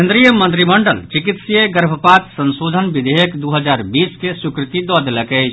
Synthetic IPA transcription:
end̪ɾijəmə̃nt̪ɾiməɳɖəlt͡ʃikit̪sijeɡəɾbʱəpat̪sə̃nsod̪ʱənbid̪ʱeɦəkd̪uɦəd͡ʒaɾbiskesukɾɪt̪id̪ɔd̪eləkəɪt͡ʃ

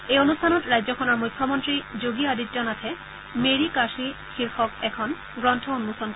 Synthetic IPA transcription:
ejonustʰanɔtɹajd͡ʑɔkʰɔnɔɹmujkʰːɔmontɹid͡ʑoɡiaditd͡ʒɔnat̪ʰɛ | meɹikaʃikʰiɾxɔkɛkʰɔn | ɡɹɔnt̪ʰɔonmusɔn

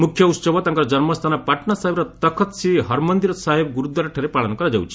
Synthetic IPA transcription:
mukʰːjɔut̪sɔbʱɔt̪aŋkɔɾɔd͡ʒɔnmɔst̪ʰanɔpaʈnasaɦebɾɔt̪ɔkʰɔt̪siɦɔɾmɔnd̪iɾɔsaɦebɔɡuɾud̪ːɔɾaʈʰaɾepaɭɔnɔkɔɾad͡ʒa̰wt͡ʃʰi̥

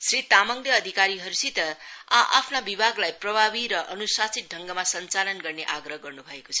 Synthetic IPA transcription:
srit̪amʌŋljʌːd̪ʱikaɾiɦʌɾusit̪ʌaʔa̰pʰnabibʱaɡlajprʌbʱabiɾʌʔʌnusasit̪̚ɖʱʌŋɡamasʌnt͡salʌnɡʌrneʔaɡɾʌɦɡʌrnubʱʌeko̥t͡sʰʌ̥

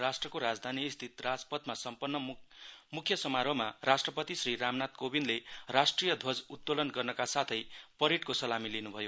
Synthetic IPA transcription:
rasʈrʌkoɾad͡zd̪ʱaniːst̪ʰit̪rad͡zpʌt̪masʌmpʌnːʌmukʰjʌsʌmaɾʌmarasʈrʌpʌt̪isriɾamnat̪kobinlerasʈrijʌd̪ʱʌd͡zut̪̚ːolʌnɡʌrnʌkasat̪ʰʌjpʌɾiʈkosʌlamilinubʱʌjo

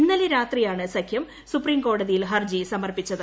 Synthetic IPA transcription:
nːɐliɾaːt̪rijaːɳɨsɐkʰjɐm | supriːmko̞ːɽɐðijilɦɐrd͡ʑisɐmɐrpit͡ɕːɐðɨ

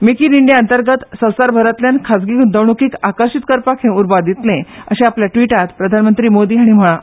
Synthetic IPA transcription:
mikiːniɳɖjaənt̪əɾɡət̪sə̃w̃saɾbʱəɾət̪ljankʰasɡiːkd̪əwɳukiːkakəɾɕit̪kəɾpakʰẽuɾbad̪it̪lẽəɕẽapljaʈʋiʈat̪pɾəd̪ʱanmənt̪ɾiːmod̪iːɦaɽ̃im̤əɭ̃ã

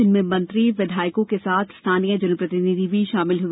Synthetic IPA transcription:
ɪnmẽmɐ̃nt̪ɾiʋɪd̪ʱaːjkõkesaːt̪ʰst̪ʰaːnijə̃d͡ʒɐnəpɾɐt̪ɪnɪd̪ʱibʱiʃaːmɪlɦʊ

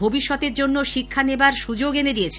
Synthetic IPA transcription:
bʱobiʃːɔt̪eɾd͡ʑonːoʃikʰːanebaɾʃud͡ʑoɡeneɾiet͡ɕʰe̥

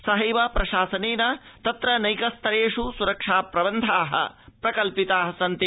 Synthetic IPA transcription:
sɐɦɐjʋɐpɾɐʃaːsɐneːnɐt̪ɐt̪ɾɐnɐjkɐst̪ʰɐɾeːʂusuɾɐkʂaːpɾɐbɐnd̪ʱaːɦɐ̰pɾɐkɐlpit̪aːɦɐsɐnt̪i

